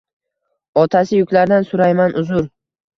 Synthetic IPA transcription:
ɒt̪ʰasɪjʊkʲlaɾd̪ansʊɾajmanʊzʊɾ

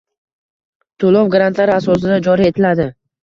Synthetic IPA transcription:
t̪ʰolɒwɡɾant̪laɾɪasɒs̬ɪd̪ad͡ʒɒɾie̞t̪ʰɪlad̪ɪ

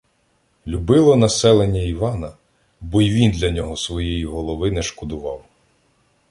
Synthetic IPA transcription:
lʲubɪlˠɔnɐsɛlˠenʲːɐiʋɑnɐ | bɔiʋʲind̪lʲɐnʲɔɦɔsʋɔjɛjiɦɔlˠɔʋɪnɛʃkɔd̪ʊʋɑw

